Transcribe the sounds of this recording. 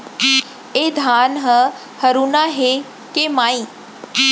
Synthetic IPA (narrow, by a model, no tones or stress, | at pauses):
eːd̪ʱaːnɦə | hɐɾuːnaɦe | kemaːĩː